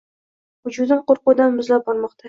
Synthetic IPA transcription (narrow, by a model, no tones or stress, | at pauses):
hʊd͡ʒud̪ɪɴqoɾqʊd̪anmʊzlap̚bɒɾmɒqt̪ʰa